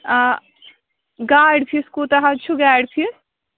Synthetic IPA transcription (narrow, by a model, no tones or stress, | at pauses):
a | ɡaːjɖpʰiskut̪ɐɦat͡ʃʰuɡaːɖpʰi